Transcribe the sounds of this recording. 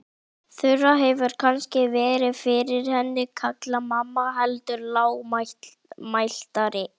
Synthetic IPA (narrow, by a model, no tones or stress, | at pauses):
θʏrːaɦɛvʏɾ̥kʰanscɪvɛːɾɪfɪɾɪɾ̥hɛnːɪkʰaklamamːaɦɛlt̪ʏɾlaːwma | majl̥t̪aɾɪ